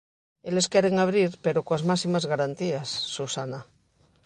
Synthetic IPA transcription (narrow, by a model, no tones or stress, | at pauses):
ele̞skeɾeŋaβ̞ɾiɾpeɾokoazmasimazɣaɾant̪iasːusana